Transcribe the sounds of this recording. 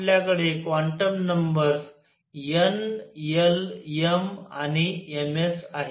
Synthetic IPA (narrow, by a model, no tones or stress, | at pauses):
ljakəɽekʋaɳʈəmnəmbəɾs | jənjəljəmañiemesaɦe